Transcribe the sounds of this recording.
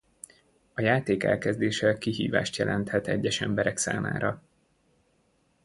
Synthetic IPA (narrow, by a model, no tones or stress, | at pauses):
ɒjaːt̪eːkɛ̰lkɛzd̪eːʃɛkiɦḭːva̰ːʃt̪jɛlʔɛnt̪hɛt̪ɛɟːɛʃɛmbɛɾɛksa̰ːma̰ːɾɒ